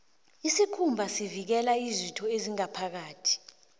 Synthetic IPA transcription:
isikʰumbʱasivik̬ɛlaizwitʰɔeziŋapʰak̬aːtʰi̥

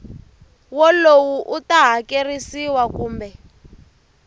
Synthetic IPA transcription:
wɔlowuʔutaɦakerisiwakuːmbɛ

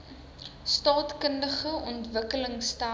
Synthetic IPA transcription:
stɑːtkəndəχəʔɔntvəkələŋsta

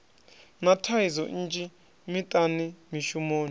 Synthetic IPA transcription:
natʰaizɔ̰t͡ʃʼi | mitʼanimiʃumoːni

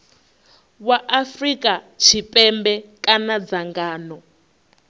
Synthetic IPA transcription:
waʔafrikʼa | t͡ʃʰipʼɛmbɛkʼanad͡zaŋɡaːnɔ

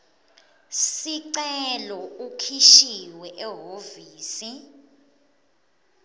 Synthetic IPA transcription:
siǀɛlɔukʰiʃiwɛʔɛɦoviːsi

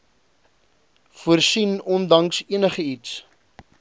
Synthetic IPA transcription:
fuərsinɔndɐŋsiənəχəits

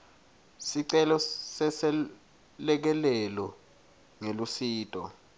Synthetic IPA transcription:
siǀɛlɔsɛsɛ | lɛk̬ɛlɛlɔ | ŋelusiːtʼɔ

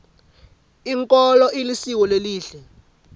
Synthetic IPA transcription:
iŋkʼɔlɔʔilisiwɔleliːɬɛ

